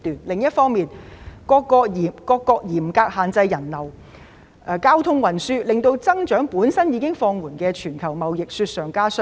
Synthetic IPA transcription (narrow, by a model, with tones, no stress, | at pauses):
t̪yː˨nlɪ˨˩ŋjɐ˥t̚fɔː˥ŋmiː˨nkɔː˧kːɔː˧k̚jiː˨˩kɔː˧kːɔː˧k̚jiː˨˩mkaː˧k̚haː˨nt͡sɐ˧jːɐ˨˩nlɐ˨˩w | ʔkaː˥wt̪ʰʊ˥ŋwɐ˨˩nsyː˥lɪ˨ŋt̪o˧wt͡sɐ˥ŋt͡ʃœː˨˥ŋpuː˨˥nsɐ˥njiː˨˧kɪ˥ŋfɔː˧ŋwuː˨˩nkɛː˧t͡ʃʰyː˨˩nkʰɐ˨˩wmɐ˨wjɪ˨k̚syː˧t̚sœː˨˩ŋkaː˥sɵ˥